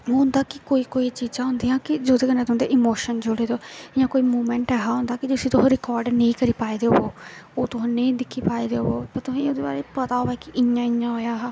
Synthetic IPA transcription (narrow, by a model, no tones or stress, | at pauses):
ɦõnd̪aːkɪkoːiːkoːit͡ʃiːd͡ʒãːɦʊ̃ːnd̪iːãːkɪd͡ʒoːd̪eːkəneːt̪ʊɦãːd̪eːʔɪmoːʃənd͡ʒoɽeːd̪oːjãːkoːiːmoːmɛ̃ːɳʈɛːɦaːɦʊ̃ːnd̪aːkɪd͡ʒʊsĩːt̪ʊãɾɪkɔːɾɖnə̃ĩːkəɾiːpaːid̪eːɦooːoːt̪ʊɦãːnəĩːd̪ɪkʰːiːpaːiːd̪eːɦooːpət̪ʊsãoːd̪eːba̰ːɾeːpət̪aːɦoːɛːkɪʔɪjãːɪjãːɦoːjaːɦː